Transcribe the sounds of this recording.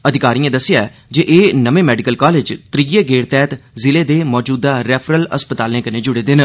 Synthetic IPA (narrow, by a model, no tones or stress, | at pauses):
əd̪ʱɪkaːɾiːẽːd̪əsːɪjaːɛːd͡ʒeʔeːnəʋẽːmɛːɖɪkəlkaːleːd͡ʒt̪ɾijeːɡeːɽt̪ɛːt̪zɪleːd̪eːmɔːd͡ʒuːd̪aːɾɛːpʰɾələ̰spət̪aːlẽːkənẽːd͡ʒʊɽeːd̪ɪn